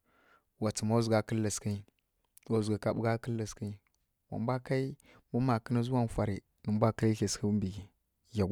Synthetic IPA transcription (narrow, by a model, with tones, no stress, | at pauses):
wa˨t͡sə˨ma˦zɡa˨˦kə˦lːə˨ski˦ | wa˨zɡa˨ka˨ɓu˦ɡa˦kə˦lːə˨ski˦ | wa̰˨m˦bʷa˦ka˦i˦ | mu˦ma˨kə˦na˦zu˦wa˦˨n˨fa˨ɾi˨ | nə˨m˦bʷa˦ka˦i˦ɬi˨skə˦mbi˨ɡi˨ | ja˨ɡ